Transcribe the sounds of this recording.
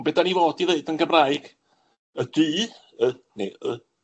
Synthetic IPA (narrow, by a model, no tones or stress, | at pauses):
bɛdanivoːdiðeɨdənɡəmraɨɡ̥ | ədiː | ənḛə